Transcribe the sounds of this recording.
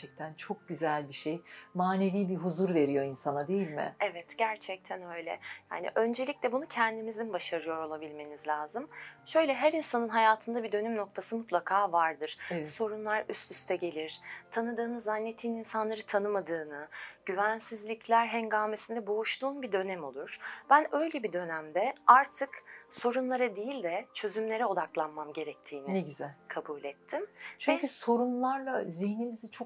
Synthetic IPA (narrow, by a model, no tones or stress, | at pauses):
ɛc̚t̪ʰænt͡ʃʰo̞k̚ɟyzælʲbiʃejmaːne̞viːbiɦuzuɾve̞ɾijo̞insanad̪ejilʲmɪ̰ɛvɛt̪ɟ̥æɾt͡ʃʰɛc̚t̪ʰænø̞jlʲɛ̰ja̰ːnḭʔø̞nd͡ʒe̞lʲiclʲɛbunucʰɛnd̪imizimbaʃaɾɯjo̞ɾo̞lˠabilʲme̞nizlʲaːzɯmʃø̞jlʲɛɦæɾinsanɯnɦajaːt̪ʰɯnd̪abid̪ø̞nymno̞k̚t̪ʰasɯmut̪ʰlˠakʰaːvaɾd̪ɯɾ̥so̞ɾunlˠaɾyst̪ʰyst̪ʰɛɟe̞lʲiɾ̥t̪ʰanɯd̪ɯːnɯzanːe̞t̪ʰiːninsanlˠaɾɯt̪ʰanɯmad̪ɯːnɯɟ̥yvænsizlʲiclʲæɾɦɛnɡaːme̞sind̪ɛbo̞uʃt̪uːnbid̪ø̞nɛmo̞lˠuɾ̥b̥ænø̞jlʲebid̪ø̞næmd̪ɛaɾt̪ʰɯkso̞ɾunlˠaɾad̪ejilʲd̪ɛt͡ʃʰø̞zymlʲe̞ɾɛo̞d̪aklˠanmamɟe̞ɾɛc̚t̪ʰiːnieɟyzɛkʰabuːlʲɛt̪ʰːimt͡ʃʰɛɲcyso̞ɾunlˠaɾlˠazihnimizit͡ʃʰo